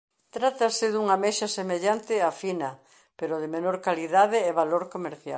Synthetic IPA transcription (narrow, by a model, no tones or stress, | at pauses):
t̪ɾat̪ɐsɪðuŋameʃɐsemeʎant̪ɪafinɐ | peɾoðemenoɾkaliðaðɪːβaloɾkomeɾθja̰l